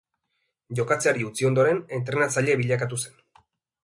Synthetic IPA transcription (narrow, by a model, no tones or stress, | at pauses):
ʝo̞kat͡seaɾiut͡sio̞nd̪o̞ɾe̞ne̞nt̪ɾe̞nat͡saʎe̞βiʎakat̪̬use̞n